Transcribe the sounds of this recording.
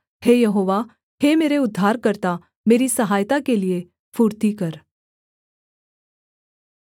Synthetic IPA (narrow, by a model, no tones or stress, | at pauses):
heːjɐɦoːʋa | hemeːɾeʊd̪ʱːaːɾkəɾt̪a | meːɾisəɦaːjt̪akelie | fuːɾt̪ikəɾ